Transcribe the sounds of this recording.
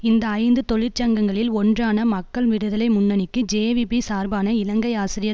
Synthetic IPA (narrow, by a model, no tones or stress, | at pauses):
ɪnd̪ɐːɪnd̪ɯt̪ɔɭɪɾt͡ʃɐŋɡɐŋɡɐɭɪlɔndraːnɐmɐkːɐɭʋɪɽɯðɐlɐɪmʊnːɐnɪkːɯd͡ʒeːʋibisaːɾbaːnɐɪlɐŋɡɐɪaːsɪɾɪjɐ